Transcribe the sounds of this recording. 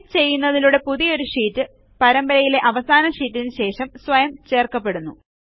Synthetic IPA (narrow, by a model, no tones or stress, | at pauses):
t͡ɕe̞jːunːɐðiluɽe̞puðijo̞ɾuʂiːtːɨ | pɐɾɐmbɐɾɐjile̞ʔɐʋɐsaːnɐʂiːtːinnɨɕe̞ːʂɐmsʋɐjɐmt͡ɕe̞ːrkɐpːe̞ɽunːu